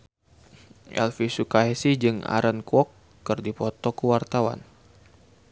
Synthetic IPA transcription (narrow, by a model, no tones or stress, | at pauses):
ʔɛ̰lfisukaɛsid͡ʒɨŋa̰ɾənkwɔkː | ɨrdipɔt̪ɔkəwart̪awa̰n